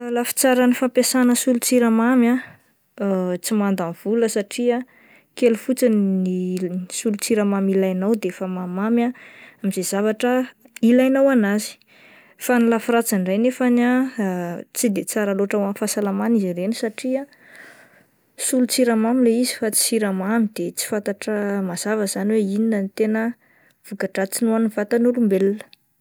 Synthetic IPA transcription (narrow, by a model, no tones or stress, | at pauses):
lafi̥t͡saɾənifampjasanəsulut͡siɾamamja | t͡simand̪anv̥uləsaʈ͡ʂia | kelufut͡sininisulut͡siɾamamilajnawd̪eefəmamamʲaamizez̥avaʈ͡ʂə | ilajnawanazi̥ | fanilafirat͡saɳɖ͡ʐajnefana | t͡sid̪et͡saɾaloʈ͡ʂawamfasalamaniziɾenisaʈ͡ʂia | sulut͡siɾamamileizi̥fat͡si̥siɾəmamid̪̥et͡si̥fant̪aʈ͡ʂəmaz̥avəz̥aniweininənit̪enə | v̥ukaʈ͡ʂat͡sinoanfat̪anulumbelnə̥